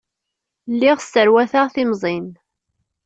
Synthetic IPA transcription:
lːiʁstːəɾwæθaʁθimzˤin

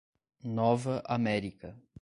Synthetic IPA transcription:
nɔvɐʔamɛɾikɐ

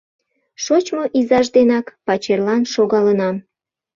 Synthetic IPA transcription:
ʃot͡ɕmoʔizɑʒd̪enɑkpɑt͡ɕerlɑnʃoɣɑlənɑm

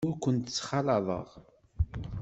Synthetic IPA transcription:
ʊkʷːənt̪ət͡sːχɑlɑðˤə̰ʁ

